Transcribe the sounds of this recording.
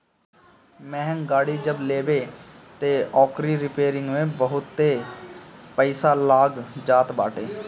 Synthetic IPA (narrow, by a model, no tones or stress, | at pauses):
mɛɦəŋɡaːɽiːd͡ʒəbleːbeːt̪eːɔːkɾiɾɪpeːɾɪ̃ŋɡmẽːbəɦʊt̪ːeː | pəɪsaːlaːɡd͡ʒaːt̪baːʈeː